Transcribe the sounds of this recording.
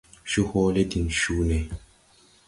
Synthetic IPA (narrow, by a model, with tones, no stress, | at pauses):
ʃu˦hɔː˦le˦di˨nʃuː˦ne˨